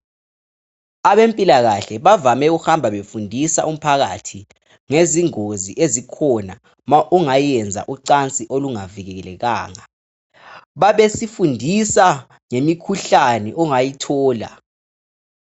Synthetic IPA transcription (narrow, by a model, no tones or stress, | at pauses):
aɓempʼilaɣ̬aɬɛɓavamɛuxambʱaɓefundʱisa̰ʔum̩pʰaɣ̬a̰tʰi | ŋeziŋoziʔezikʰɔna | mʔuŋajɛnd͡zʱa̰ʔuǀant͡sʼiʔoluŋavik̬ɛk̬ɛlɛk̬a̰ːŋa | ɓaɓesifundʱisa | ŋemikʰuɬanɛʔɔŋajitʰɔːla̰